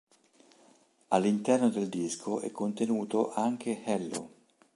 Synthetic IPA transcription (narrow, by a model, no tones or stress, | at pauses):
alːint̪ɛrnod̪eld̪iskʰoɛ̰kʰːont̪enuːt̪oʔaŋk̟ehɛlːo̰